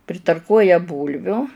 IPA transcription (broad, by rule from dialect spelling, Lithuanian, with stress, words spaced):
pʲrʲɪtɐrˈkuɔjɛ ˈbuːlʲʋʲʊ